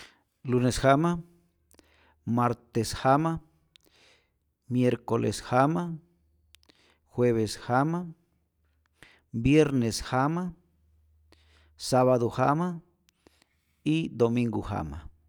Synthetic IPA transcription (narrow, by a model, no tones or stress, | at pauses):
lunesxama | maɾt̪esxama | mjeɾkolʔḛsxama | xweβesxama | bjeɾneshama | saβaðohama | id̪omĩŋɡoha̰ma̰